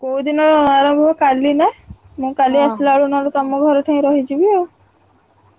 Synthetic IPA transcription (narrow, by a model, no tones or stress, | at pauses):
koud̪inɔɾɔnaɾɔ̃mbʱɔkalina | mũkaliaslaɭunɔɾut̪amũɡʱɔɾɔʈʰãĩɾɔɦid͡ʒubiɔ